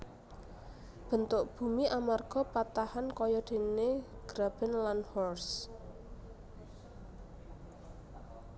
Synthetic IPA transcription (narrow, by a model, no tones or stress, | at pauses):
b̥ə̤nt̪ʊʔb̥umiʔamarɡ̥ɔ̤pat̪ahankɔjɔd̪̥e̤neɡ̥ɾab̥ɛ̤nlanhɔrs